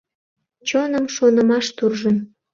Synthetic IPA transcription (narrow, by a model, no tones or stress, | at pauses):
t͡ɕonəmʃonəmɑʃt̪urʒən